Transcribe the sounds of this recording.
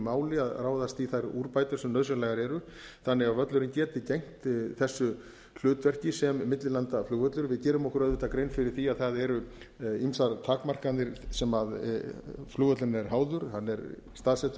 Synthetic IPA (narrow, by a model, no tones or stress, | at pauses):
maːwlɪaðraːwðast̪iθajɾuːɾpaːjt̪ʏɾ̥sɛmnœðs̬œnlajɣaɾɛɾʏ | θanːɛɣavœt̪lʏɾɪncɛːt̪ɪcejŋ̥t̪θɛsːʏ | l̥ʏːt̪vɛr̥cɪsɛmːɪt̪lɪlant̪afluːvœt̪lʏɾvɪðcɛːɾʏmɔhkʏɾœðvɪht̪akɾejnfɪɾɪɾ̥θiaðθaðɛɾʏ | imsaɾt̪ʰaːkmar̥kannɪɾsɛmað | fluːɣvœt̪lʏɾnɛɾ̥ɦaːwðʏɾ̥hanːɛɾ | st̪aːðsɛht̪